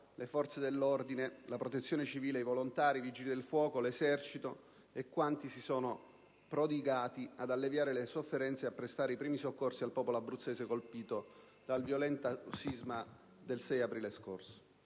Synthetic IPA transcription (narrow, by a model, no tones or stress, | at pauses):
lefɔrt̪sed̪elːord̪inelapɾot̪et̪sːjoːnet͡ʃiviːleivolont̪aːɾivid͡ʒilid̪elfwɔːkolezɛrt͡ʃit̪o | ekːwant̪isisoːno | pɾod̪iɡaːt̪iad̪alːevjaːɾelesofːeɾɛnt̪seapːɾest̪aːɾeipɾiːmisokːorsialpɔːpoloabːɾut̪sːeːsekolpiːt̪o | d̪̥alvjolɛnt̪asizma | d̪elsɛjapɾiːlesko̰rso̥